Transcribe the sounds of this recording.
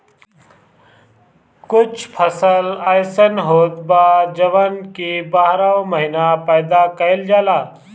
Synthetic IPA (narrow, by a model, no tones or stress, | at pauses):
kʊt͡ʃʰpʰəsəlajsənɦoːt̪baːd͡ʒəʋənkibaːɦɾaoməɦinapəːd̪akəɪld͡ʒaːlaː